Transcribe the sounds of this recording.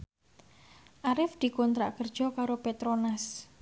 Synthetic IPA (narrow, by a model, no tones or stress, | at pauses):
ʔaɾɪfd̪̥i̤kont̪ɾa̰ʔkərd̥ʒ̥ɔ̤kaɾopet̪ɾonas